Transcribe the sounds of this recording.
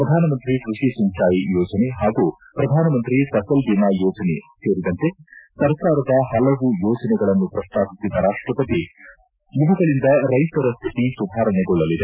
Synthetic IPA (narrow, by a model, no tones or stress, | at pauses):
pɾɐd̪ʱaːnɐmɐnt̪ɾikɾuʂisimt͡ʃaːjijɔːd͡ʒɐne̞ɦaːɡuː | pɾɐd̪ʱaːnɐmɐnt̪ɾisɐsɐld̪inaːjɔːd͡ʒɐneseːɾid̪ɐnt̪e̞sɐɾkaːɾɐd̪ɐɦɐlɐʋujɔːd͡ʒɐnɛɡɐɭɐnːupɾɐʂt̪ʰaːpisid̪ɐɾaːʂʈɾɐpɐt̪i | jiʋɐɡɐɭind̪ɐɾɐjt̪ɐɾɐst̪ʰit̪isud̪ʱaːɾɐɳɛɡɔɭːɐlid̪e